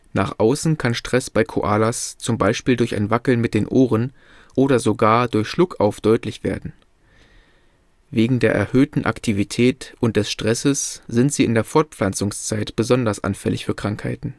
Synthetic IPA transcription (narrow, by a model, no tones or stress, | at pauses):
na̰ːχʔaʊsn̩kʰanʃtʁ̥ɛsb̥aɪkʰo̰ʔaːlast͡sʊmbaɪʃpiːldʊɐça̰ɪnvakl̩nmɪt̚d̥eːnʔoːʁən | ʔoːɾɐzoɡaːɐdʊɐçʃlʊkʰaʊfd̥ɔʏtlɪçv̥ḛːɐdn̩ | veːɡŋ̩deːɐʔɛ̰ɐhøːtn̩ʔa̰ktʰivitʰɛːtʔʊnt̚d̥ɛsʃtʁ̥ɛsəsz̥ɪntz̥iːɪndeːɐfɔɐt̚p͡flant͡sʊŋst͡saɪtb̥əzɔndɐsʔa̰nfɛlɪ̰çfyːɐkʁ̥aŋkha̰ɪtn̩